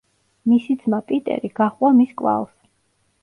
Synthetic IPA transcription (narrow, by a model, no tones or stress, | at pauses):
misid̪zmapʼit̪ʼɛ̰ɾiɡ̥aχwamiskʼva̰lˠs